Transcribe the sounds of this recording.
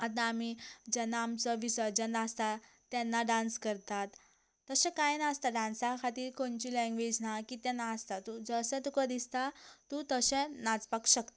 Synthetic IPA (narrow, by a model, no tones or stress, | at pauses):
at̪ːaːmid͡ʑənamt͡səʋisəd͡ʑənast̪a | t̪ːɛnːaɖãnskəɾt̪at̪ː | əsɛ̃kajnast̪aɖansakʰat̪iːɾkoɳt͡ɕilɛ̃ŋɡʋed͡ʑnakit̪ɛnːaːst̪at̪ːud͡zəsɛ̃t̪ukəd̪ist̪at̪ut̪əsɛ̃nat͡spakɕəkt̪